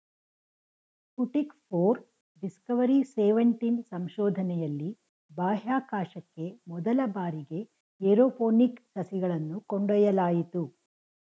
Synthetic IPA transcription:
kuʈikpʰoːɾ | ɖiskɐʋɐɾiseːʋɐɳʈinsɐmʃɔːd̪ʱɐnɛjɐlːi | baːɦaːkaːʃɐkːe̞mɔd̪ɐlɐbaːɾiɡe̞ | eɾoːpoːniksɐsiɡɐɭɐnːukɔɳɖɔjɐlaːjit̪u

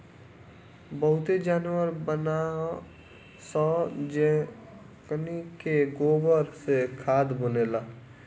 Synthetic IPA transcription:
bəɦʊt̪ed͡ʒaːnwəɾbənaɦ | sɔːd͡ʒ | knikeɡoːbəɾsekʰaːd̪bʊneːlaː

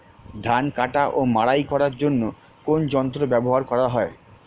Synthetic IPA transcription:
d̪ʱankaʈaʔomaɽajkɔɾaɾd͡ʑonːo | kond͡ʑɔnt̪̬ɾobɛboɦaɾkɔɾaɦɔe

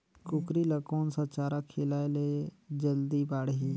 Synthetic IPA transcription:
kʊkɾiləkoːnsat͡ʃaːɾakʰelaːeled͡ʒəld̪ibaːɽɦi

